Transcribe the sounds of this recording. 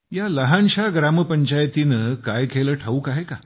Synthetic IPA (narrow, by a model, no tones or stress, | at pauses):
jaləɦãnɕaɡɾaməpəɲt͡ɕajt̪inəkajkʰeləʈʰauːkaɦeka